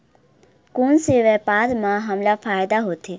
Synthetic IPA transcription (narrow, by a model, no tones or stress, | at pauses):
kuːnsiʋepaːd̪mãɦɐmlafʰaːjd̪aɦot̪ʰi